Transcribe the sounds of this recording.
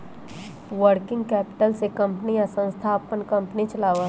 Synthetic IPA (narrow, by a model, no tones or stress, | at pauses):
ʋəɾkɪ̃ŋɡkɛːpɪ̥ʈəlsekɐ̃mpnijasə̃nst̪ʰaːpənkɐ̃mpnit͡ʃəlaːʋa